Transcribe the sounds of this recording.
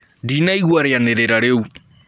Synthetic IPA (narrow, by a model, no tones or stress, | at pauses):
dinaiɣwaɾɛjanɛɾɛɾaɺeu